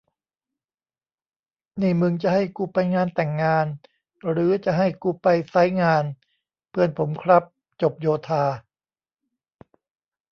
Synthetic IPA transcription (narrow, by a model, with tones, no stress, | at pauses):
niː˧˩mɯ˧ŋt͡ɕa˨˩ɦa˥˩jkuː˧pa˧jŋaː˧nt̪ɛ˨˩ŋːaː˧n | ɾɯː˩˦t͡ɕa˨˩ɦa˥˩jkuː˧pa˧jsa˦˥jŋaː˧n | pʰɯ˧˩ənpʰo˩˦mkʰɾa˦˥p̚ | t͡ɕo˨˩p̚joː˧t̪ʰaː˧